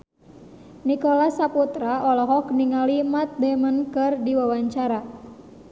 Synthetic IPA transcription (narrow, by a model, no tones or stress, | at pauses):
nikɔlasaput̪ɾaʔɔlɔɦɔkniŋalimat̪̚demənkɨrdiwawaɲt͡ʃaɾa